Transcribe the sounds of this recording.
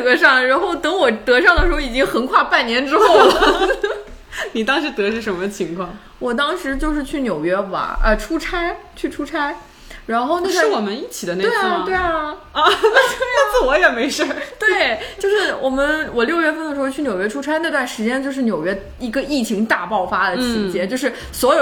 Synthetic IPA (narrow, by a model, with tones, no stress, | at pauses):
ɤ˧˥ʂɑ˥˩ŋ˩ɻa˧˥nxo˥˩ʊt̪ɤ˧˥ŋwɔ˨˩t̪ɤ˧˥ʂɑ˥˩ŋd̪ə˩ʂɻ̩˧˥xo˥˧i˨˩t͡ɕi˥ŋxə˧˥nkʰwa˥˧pa˥˩nnjɛ˧˥nʈ͡ʂɻ̩˥xo˥˩ʊlə˩ | ni˨˩t̪ɑ˥ŋʂɻ̩˧˥t̪ɤ˧˥ʂ̩ʰ˥˩ʂə˧˥nmə˧t͡ɕʰi˧˥ŋkʰwɑ˥˩ŋ | wɔ˨˩t̪ɑ˥ŋʂɻ̩˧˥t͡ɕjo˥˧ʊʂ̬ɻ̩˥˧t͡ɕʰy˥˩njo˨˩ʊɥɛ˥bɐ̰˧˩ə̰˧ʈ͡ʂʰu˥ʈ͡ʂʰa˥ɪt͡ɕʰy˥˩ʈ͡ʂʰu˥ʈ͡ʂʰa˥ɪ | ɻa˧˥nxo˥˧ʊn˥˧wwɔ˨˩mə˦ni˥˩t͡ɕʰi˨˩d̪ə˦ne˥we˥˩t̪we˥˩ɪɐ˩˧˥ | wɔ˧˥jɛ˨˩me˧˥ɪʂə˥˩t̪we˥˩ɪt͡ɕjo˥˧ʊʂɻ̩˥˩wʔɔ˨˩mə˦nwɔ˨˩ljo˥˧ʊɥɛ˥˧˩fə˥nə˩ʂɻ̩˧˥xo˥˧t͡ɕʰy˥˩njo˨˩ʊɥɛ˥ʈ͡ʂʰu˥ʈ͡ʂʰa˥ɪna˥˧t̪wa˥˩nʂɻ̩˧˥t͡ɕjɛ˥nt͡ɕjo˥˧ʊʂɻ̩˥˩njo˨˩ʊɥɛ˥ | i˧˥ɡə˧i˥˩t͡ɕʰi˧˥ŋt̪a˥˧pɑ˥˩ʊfa˥d̪ə˨t͡ɕʰi˧˥t͡ɕjɛ˥nt͡ɕjo˥˧ʊʂɻ̩˥˩ | swɔ˧˥jo˨˩